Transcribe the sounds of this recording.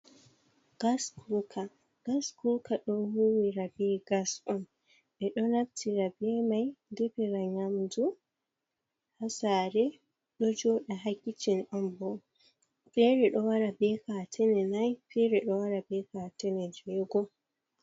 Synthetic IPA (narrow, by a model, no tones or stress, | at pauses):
ɡ̥askʰukʰa | ɡ̥askukaɗɔnhuwiɾabɛɡasɔn | ɓɛɗɔnaftʰiɾabɛmajdɛbɛɾaɲamdu | hasaɾɛ | ɗɔd͡ʒɔɗaɦakːit͡ʃinʔɔnbɔ | pɛɾɛɗɔwaɾabɛkatʰɛnɛnajfɛɾɛɗɔwaɾabɛkatɛnɛd͡ʒɛɡɔ